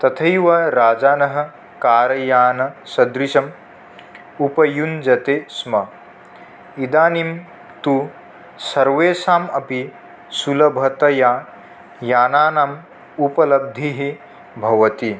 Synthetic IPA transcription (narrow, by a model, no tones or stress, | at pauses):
t̪ɐt̪ʰɐjʋɐɾaːd͡ʒaːnɐɦɐ̆ | kaːɾɐjaːnɐsɐd̪ɾiʃɐm | upɐjund͡ʒɐt̪eːsmɐ | id̪aːnim | t̪u | sɐɾʋeːsaːmɐpi | sulɐbʱɐt̪ɐjaː | jaːnaːnaːm | upɐlɐb̚d̪ʱiɦi | bʱɐʋɐt̪i